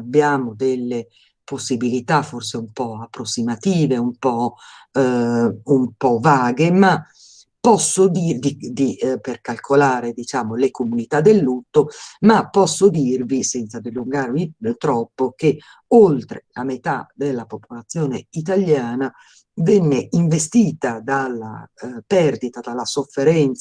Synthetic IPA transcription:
abːjaːmod̪elːe | posːibilit̪aforseumpɔapːɾosːimat̪iːveumpɔ | umpɔvaːɡema | pːɔsːod̪id̪id̪iperkalkʰolaːɾed̪it͡ʃaːmolekomunit̪ad̪ːelːut̪ːomapːɔsːod̪irvisɛnt̪sad̪eluŋɡarvit̪ɾɔpːok̟e | olt̪ɾela̰met̪a̰d̪elːapopolat̪sːjɔːnḛit̪aljaːna | vɛnːeiɱvest̪iːt̪ad̪alːa̰pɛrd̪it̪ad̪alːasofːeɾɛnt̪s

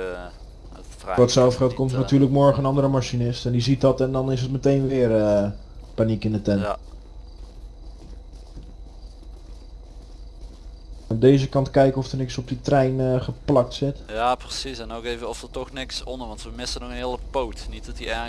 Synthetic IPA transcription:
ɔtsɛlˠfxɛlˠtkomtənatyːrləkmɔɹənɑndərəmaʃinɪstɛndizit̚dɔtɛndɔnɪs̬ət̚mətejnʋɪərə | panikɪndətɛnt | ədeːzəkɑntkɛjkəɔfdərnɪksɔp̚ditrɛjnəχəplɑk̚tsɪtjaːprəsisɛnoːkeːvəɔfdətɔxnɪksɔnəɹʋɑntʋəmɪsənɔxənɦɪələpowtnit̚dɔtiɛ

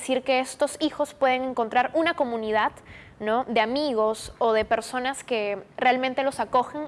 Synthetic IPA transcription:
siɾke̞est̪o̞sixo̞spwe̞ð̞e̞ŋe̞ŋko̞nt̪ɾaɾunako̞mũniðað | nod̪eamiɣo̞soðe̞pe̞ɾso̞naske̞realmẽnt̪e̞lo̞sako̞xeŋ

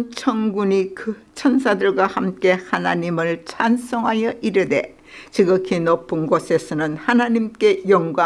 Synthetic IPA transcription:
t͡ɕʰʌŋɡuɲikɯ | t͡ɕʰʌnsʰadɯɭɡwahamk͈e̞hanaɲimɯɭt͡ɕʰans͈ʌŋɦajʌʔiɾɯde̞ | t͡ɕiɡʌkʰinopʰːɯnɡosʰe̞sʰʌnɯnhanaɲimk͈e̞jʌŋɡwa

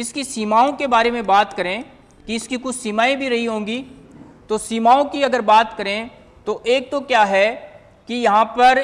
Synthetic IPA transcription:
ɪskisiːmaːõkebaːɾemẽbaːt̪kɐɾẽ | kiɪskikʊt͡ʃʰsiːmaːĩbʱiɾɐɦiɦõːɡi | t̪osiːmaːõkiɐɡəɾbaːt̪kɐɾẽ | t̪oʔeːk̚t̪okjaːɦɛ | kijɐɦãpɐɾ

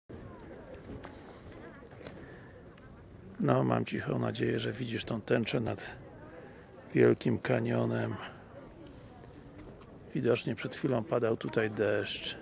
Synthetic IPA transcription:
nɔma̰mt͡ɕixɔ̃w̃na̰d͡ʑejɛʐɛvʲid͡ʑiʂt̪ɔ̃w̃t̪ɛnt͡ʂɛnad̪̥ | vʲjɛlkʲimkaɲɔnɛm | vʲid̪ɔt͡ʂɲɛpʂɛt̪xfʲilɔ̃w̃pad̪awt̪ut̪ajd̪ɛʂt͡ʂ

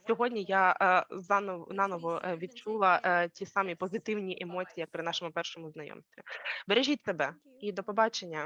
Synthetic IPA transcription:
sʲɔɦɔdʲnʲijazɑnɑnɔʋɔʋʲid̪̚t͡ʃulˠɐtʲisɑmʲipɔzɪt̪ɪwnʲiʔemɔt͡sʲijijɐkpɾɪnɑʃɔmʊpɛrʃɔmʊznɐjɔ̰msʲt̪ʋʲibeɾeʒʲit̪ʲsebɛ | id̪ɔpɔbɑt͡ʃenʲːɐ

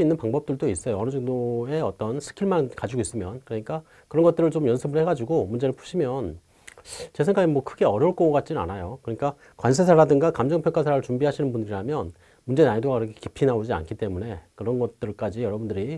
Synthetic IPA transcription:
inːɯnpaŋbʌp̚t͈ɯɭdois͈ʌjoʌnɯd͡ʑʌŋdoe̞ʌt͈ʌnsʰɯ̥kʰiɭmankad͡ʑiɡois͈ɯmjʌnkɯɾʌɲik͈a | kɯɾʌnɡʌt͈ɯɾɯɭt͡ɕomjʌnsʰɯbɯɭhe̞ɡad͡ʑiɡomund͡ʑe̞ɾɯɭpʰu̥ɕʰimjʌn | t͡ɕesʰe̞ŋɡaɡemwʌkʰɯɡe̞ʌɾjʌuɭk͈ʌkat̚t͡ɕ͈inna̰najokɯʌɲik͈a | kwans̬ʰesʰaɾadɯŋɡakamd͡ʑʌŋpʰjʌkʰasʰaɾaɯɭt͡ɕumbiɦaɕʰinɯnbundɯɾiɾamjʌn | mund͡ʑe̞naidoɡakiɾʌkʰe̥ki̥pʰinaod͡ʑia̰nkʰit͈e̞mune̞kɯɾʌnɡʌt̚t͈ɯɭk͈ad͡ʑijʌɾʌbundɯɾi

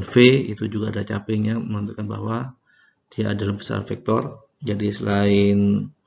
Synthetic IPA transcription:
nfeit̪ud͡ʒuɡaːdalat͡ʃapɪŋjaməmənt̪ukanba̰ɦwa | d̥iaʔːdalabəsa̰rfɛk̚t̪ɔr | d͡ʒadisəlaɪn

